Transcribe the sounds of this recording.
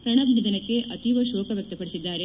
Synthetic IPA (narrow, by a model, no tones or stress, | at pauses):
pɾɐɳɐbnid̪ɐnɐkːe̞ʔɐt̪iʋɐʃoːkɐʋjɐk̚t̪ɐpɐɽesid̪ːaːɾe